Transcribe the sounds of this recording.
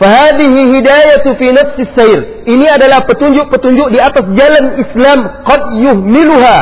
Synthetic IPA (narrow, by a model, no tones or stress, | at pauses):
faɦaðiɦiɦidajat̪finafsɪsːajɾ | iniadalahpət̪uɲd͡ʒʊʔ̚pət̪uɲd͡ʒʊk̚diat̪asd͡ʒalanislamqɑd̚jʊhmiluɦa